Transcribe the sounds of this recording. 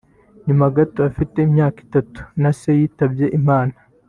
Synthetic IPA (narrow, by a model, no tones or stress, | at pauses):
ɲumaɡatoafite̞imɲaːki̥tatu̥nase̞jiːtabje̞ʔimaːna